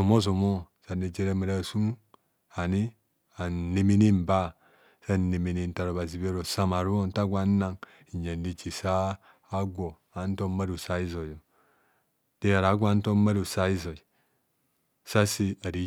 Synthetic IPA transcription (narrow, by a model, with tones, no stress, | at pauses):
o˨mo˦zo˨mo˦ | sa˨ni˨d͡ʒe˦ɾa˦mi˨ɾa˦˨su˦ŋ | a˨ni˦ | a˨n˨ne˦˨mi˦ni˦m̩˨ba˦˨ | sa˦˨ne˨mi˨ni˦˨n̩˨ta˨ɾo˨βa˨zi˨be˦ɾo˨sa˦ma˨ɾu˦o˦n˦ta˦ɡʷa˨˦na˦ŋ | i˨ɲa˨n˦di˦t͡ʃi˨saː˦ | ɡʷo˨ | a˨˦n̩˦to˦ma˦ɾu˨sa˦i˦zo˨jo˨ | de˦ja˨ɾa˨˦ɡʷa˦n̩˦to˦ma˦ɾu˨sa˦i˦zo˨i˨ | sa˦si˦a˨ɾi˦